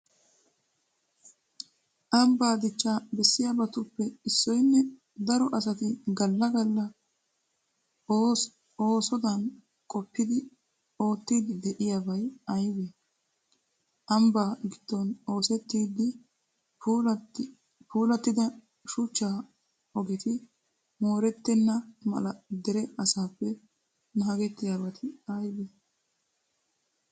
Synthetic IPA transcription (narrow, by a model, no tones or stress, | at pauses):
ʔɐmbaːd̪ɪt͡ʃːaːbɛsːɪjabɐt̪ʊpːɛɪsːɔjnːɛ | d̪ɐɾɔʔɐsɐt̪ɪɡɐlːɐɡɐlːɐ | o̞ːsɔd̪ɐn | kʼɔpːɪd̪ɪ | o̞ːt̪ːiːd̪ɪd̪ɛʔɪjabɐjɐjbe | ʔɐmbaːɡɪd̪̥ːɔno̞ːsɛt̪ːiːd̪ːɪ | pʰuːlɐt̪ːɪd̪ɐ | ʃʊt͡ʃːaː | ɔɡɛt̪ɪ | mo̞ːɾɛt̪ːɛnːɐmɐ̰lɐd̪ɛɾɛʔɐsaːpːɛ | nɐɐɡɛt̪ːɪjabɐt̪ʰɪɐjbe